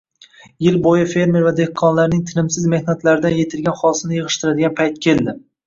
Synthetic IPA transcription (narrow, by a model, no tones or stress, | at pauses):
jɪlbojɪfe̞ɾmeɾvad̪e̞hkʰːɒnlaɾnɪŋt̪ʰɪnɪmsɪzme̞hnat̪laɾɪd̪anje̞t̪ʰɪlɡʲanχɒlsɪnɪjɨʁɨʃt̪ɪɾad̪ɪɡʲanpʰajt̪̚kʲʰe̞ld̪ɪ